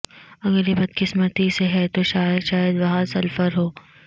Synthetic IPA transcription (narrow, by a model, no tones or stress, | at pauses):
ɐɡəɾjebɐd̪kɪsmət̪iseɦɛt̪oʃaːjəd̪ʃaːjəd̪ʋɐɦãsɐlfəɾɦoː